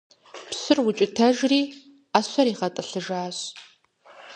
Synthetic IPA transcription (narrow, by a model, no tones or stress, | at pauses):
psɨrwʊt͡ʃʼɪtʰɐʒriː | aːɕʷɐɾiːʁɐtʼɐɬɨʒaːɕ